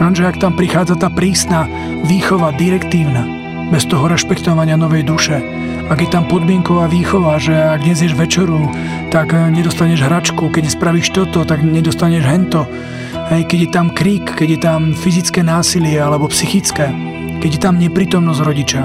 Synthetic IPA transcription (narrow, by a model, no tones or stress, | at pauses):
ɾanʒɛakt̪ampɾixaːd͡zat̪aːpɾiːsna | ʋiːxɔʋad̪iɾɛkt̪iːʊna | bɛst̪ɔɦɔɾɛʃpɛkt̪ɔʋaɲɪanɔʋɛjd̪uʃɛ | aɡjɛt̪ampɔd̪mɪɛŋkɔʋaːʋiːxɔʋaʒɛaɡ̚d̪ɲɛzjɛʒʋɛt͡ʃɛɾu | t̪aɡɲɛd̪ɔst̪aɲɛʒɦɾat͡ʃkukɛɟɛspɾaʋiːʃt̪ɔt̪ɔt̪aɡɲɛd̪ɔst̪aɲɛʒɦɛnt̪ɔ | ɦɛjkɛɟjɛt̪amkɾiːkːɛɟjɛt̪amfizit͡skɛːnaːsilɪɛalɛbɔpsixit͡skɛː | kɛɟjɛt̪amɲɛpɾiːt̪ɔmnɔzɾɔɟit͡ʃa